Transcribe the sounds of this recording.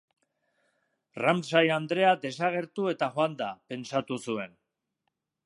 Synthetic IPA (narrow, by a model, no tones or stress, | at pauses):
ramsajand̪ɾe̞ad̪e̞saɣ̞e̞ɾt̪ue̞t̪axoand̪ape̞nt͡sat̪usue̞n